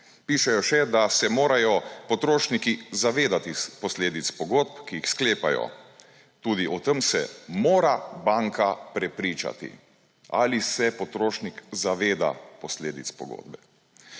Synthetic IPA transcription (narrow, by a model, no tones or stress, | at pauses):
piːʃɛjɔʃɛd̪asɛmoːɾajɔpɔt̪ɾoːʃnikizaʋeːd̪at̪ipɔsleːd̪it̪spɔɡot̪̚pkijixskleːpa̰jɔ̰ | t̪uːd̪iʔɔt̪əmsɛ̰moːɾabaŋkapɾɛpɾiːt͡ʃa̰t̪ḭ | a̰lisɛpɔt̪ɾoːʃnikzaʋeːd̪a̰pɔsleːd̪itspɔɡo̰ːd̪bɛ